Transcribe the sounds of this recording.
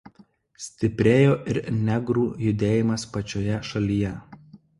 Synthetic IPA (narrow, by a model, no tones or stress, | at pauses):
sʲt̪ʲɪpʲɾʲeːjoːʔɪɾnʲɛɡɾuːjʊd̪ʲeːjɪmɐspɐt͡ʃʲoːjɛʃɐlʲijɛ